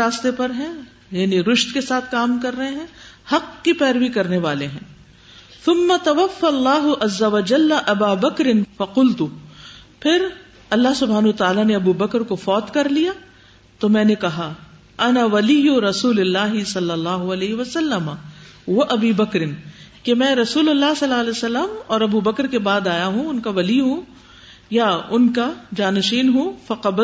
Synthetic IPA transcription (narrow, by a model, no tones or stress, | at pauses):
aːst̪epɐɾɦɛ̃ | jaːniɾʊʃt̪kesaːt̪ʰkaːmkɐɾːɐɦẽɦɛ̃hɐqkipɛːɾʋikɐɾneʋaːleɦɛ̰̃ː | θʊmːɐt̪ɐʋɐfːalːaːɦʊʔɐzːɐʋɐd͡ʒɐlːʔɐbaːbɐkɾɪnfɐqʊlt̪u | pʰɪɾ | ɐlːaɦsʊbʱaːnɐɐt̪aaːlaneɐbubɐkɾkofɔːt̪kɐɾlija | t̪omɛ̃ːnekɐɦa | ʔɐnaʋɐlijʊɾɐsuːlɪlːaːɦɪsɐlːɐlːaːɦʊɐlɛːɦɪʋɐsɐlːɐma | ʋɐʔɐbiːbɐkɾɪnkemɛ̃ːɾɐsuːlʊlːaːɦsɐlːaːlesɐlːəmɔːɾɐbubɐkɾkebaːd̪aːjaɦũʊnkaʋɐliɦũ | jaʊnkad͡ʒaːnʃiːnɦofɐqɐb